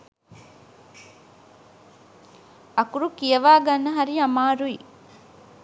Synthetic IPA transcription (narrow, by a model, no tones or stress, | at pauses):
ɐkuɾukijɐʋaːɡɐnːɐɦɐɾiɐmaːɾui